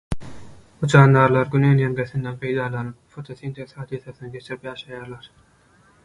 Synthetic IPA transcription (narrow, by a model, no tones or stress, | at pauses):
ut͡ʃʰɑːnd̪ɑɾlˠɑɾɡʲynøːnjeŋɡʲeθind̪enpʰe̞jd̪ɑːlˠɑnɯpfot̪ʰosint̪ʰeshɑːd̪iθɑθɯnɯɡe̞t͡ʃʰiɾipjɑːʃɑjɑːɾlˠɑɾ